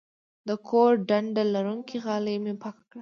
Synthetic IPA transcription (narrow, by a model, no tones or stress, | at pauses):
d̪əkʰoɾɖaɳɖalaɾuŋkiɣɑləjmepɑkḁkɽa